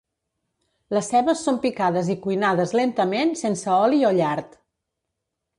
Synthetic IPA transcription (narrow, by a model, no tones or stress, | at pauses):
ləsːɛβəsːompikaðəzikujnaðəzlent̪əmensensəɔlioʎaɾt̪